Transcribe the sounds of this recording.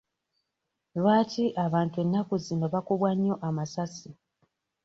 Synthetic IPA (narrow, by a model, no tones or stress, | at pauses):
lwaːtiʔaβaːntue̞nːakuzino̞βakuβwaɲːo̞ʔamasasi